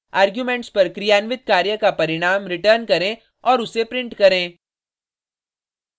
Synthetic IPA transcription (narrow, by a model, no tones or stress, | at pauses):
aːɾɡjuːmẽɳʈspɐɾkɾijaːnʋɪt̪̚kaːɾjəkapɐɾɪɽ̃aːmɾɪʈəːɾnkɐɾẽ | ɔːɾʊsepɾɪ̃ɳʈkɐɾẽː